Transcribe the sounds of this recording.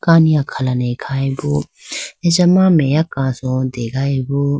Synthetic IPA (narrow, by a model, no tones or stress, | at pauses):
kaːnijãkʰɐlanekʰaːebo | ed͡ʒɐmãmẽjakãːsõd̪eːɡaːebo